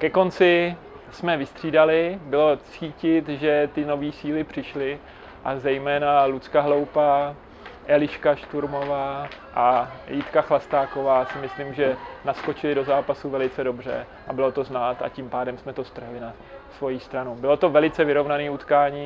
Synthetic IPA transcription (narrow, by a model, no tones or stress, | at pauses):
kɛko̞nt͡sɪ | smɛvɪst̪r̝̥iːdalɪbɪlo̞t͡siːcɪt̪ʒɛt̪ɪno̞viːsiːlɪpr̝̥ɪʃlɪ | ʔazɛjmɛːnalut͡skaɦlo̞wpa | ʔɛlɪʃkaʃt̪uɾmo̞vaː | ʔajɪt̪kaxlast̪aːko̞vaːsɪmɪslimʒɛnasko̞t͡ʃɪlɪdo̞zaːpasuvɛlɪt͡sɛdo̞br̝ɛ̰ | ʔabɪlo̞t̪o̞znaːt̪a̰cimpaːdɛmsmɛt̪o̞st̪r̩ɦlɪna | svo̞jist̪ɾanubɪlo̞t̪o̞vɛlɪt͡sɛvɪɾo̞vnaniːut̪kaːɲiː